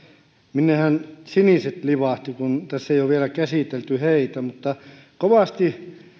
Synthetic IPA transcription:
minːehænsiniˑset̪liʋɑˑht̪ikunt̪æsːejoʋielækæsiˑt̪elt̪yheit̪æmut̪ːɑ | koʋɑˑst̪i

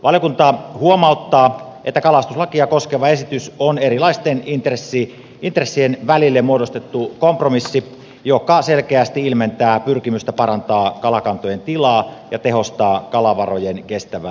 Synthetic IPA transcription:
ʋɑljokunt̪ɑhuomɑˑout̪ːɑːʔet̪ːækɑlɑst̪uslɑkiɑkoskeʋɑesit̪ysonerilɑist̪enint̪resːi | int̪resːienʋælilːemuodost̪et̪ːukompromisːi | jokɑselkeæst̪iilment̪æːpyrkimyst̪æpɑrɑnt̪ɑːkɑlɑkɑnt̪ojent̪ilɑːjɑt̪eɦost̪ɑːkɑlɑʋɑrojenkest̪æʋæ

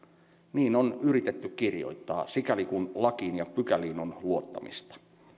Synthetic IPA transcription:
niːno̞nyɾit̪e̞t̪ːykkirjo̰jt̪ːɑ̰ːsikælikunlɑkiːnjɑpykæliːnonluot̪ːɑ̰mḭst̪ɑ̥

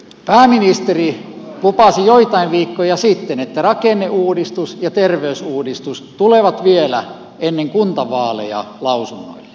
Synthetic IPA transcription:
pæːminist̪eri | lupɑsijoit̪ɑiʋʋiːkːojɑsit̪ːenet̪ːærɑkenːeʔuːdist̪usjɑt̪erʋeysuːdist̪ust̪uleˑʋɑt̪ʋielæ̰ | enːeŋkunt̪ɑʋɑːlḛjɑ̰lɑusunːo̰ilːe̥

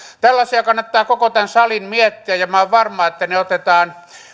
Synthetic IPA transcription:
t̪ælːɑsiɑkɑnːɑt̪ːɑːkokot̪ænsɑlimmiæt̪ːiæjjɑmɑɑʋʋɑrmˑɑːet̪ːæneot̪et̪ɑːn

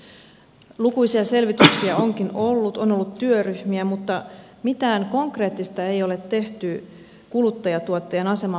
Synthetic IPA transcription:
lukujsiɑse̞lʋit̪yksiɑo̞ŋkino̞lːut̪o̞no̞lːut̪tːyøryhmiæmut̪ːɑ | mit̪æːŋko̞ŋkre̞ːt̪ːist̪ɑe̞jo̞le̞t̪ːe̞ht̪y | kulut̪ːɑjɑt̪uot̪ːejɑnɑse̞mɑ

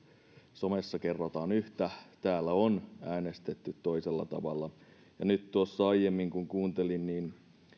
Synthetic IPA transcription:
so̞mesːɑkerːot̪ɑːnyht̪æt̪æːlːæonæːnest̪et̪ːyt̪toiselːɑ̰t̪ɑ̰ʋɑ̰lːɑ | jɑnyt̪t̪uosːɑɑijemːiŋkuŋkuːnt̪elinniːn

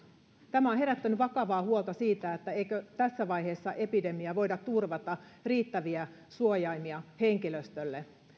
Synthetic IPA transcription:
t̪æmæonɦe̞ɾæt̪ːænyʋɑkɑʋɑːhuot̪ɑsiːt̪æet̪ːæejkøt̪æsːæʋɑjhe̞ːsːɑʔe̞pide̞miæʋo̞jdɑt̪ːurʋɑt̪ɑriːt̪ːæʋiæ | suojɑjmiɑhe̞ŋkiløst̪ølːe

